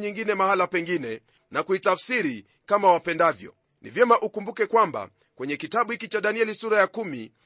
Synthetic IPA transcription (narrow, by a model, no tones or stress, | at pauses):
ɲiŋɡinɛmahalapɛŋɡinɛ | nakuitafsiɾi | kamawapɛndavjɔ̰ | nḭvjɛmaʔukumbukɛkwamba̰ | kwɛɲɛkitaɓuhikit͡ʃaɗaniɛlisuɾajakumi